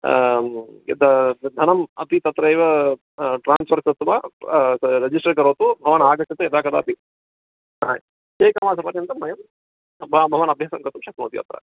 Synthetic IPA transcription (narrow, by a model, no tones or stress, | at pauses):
d̪ɐd̪ʱɐnɐmɐt̪it̪ɐt̪ɾɐeːʋɐ | ʈɾaːnsʋɐɾksɐt̪ʋaː | ɾed͡ʒisʈɐɾkɐɾoːt̪ubʱɐʋɐnaːɡɐt͡ʃɐt̪ɐjɐd̪aːkɐd̪aːp̪i | na̰ːj | t͡ʃeːkamaːsɐpɐɾjɐnt̪ɐmːɐjɐm | bʱɐbʱɐʋɐnɐbʱjaːsɐmkɐt̪umʃɐk̪mṵːt̪iɐ̰t̪ɾɐ̰